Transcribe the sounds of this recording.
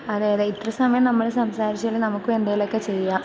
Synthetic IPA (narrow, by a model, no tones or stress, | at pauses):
ɐðeːjɐðeit̪rɐsɐmɐjɐmnɐmːɐɭesɐmsaːɾit͡ɕːuɐɭenɐmukːume̞nd̪ɐjilokːe̞t͡ɕe̞jːaː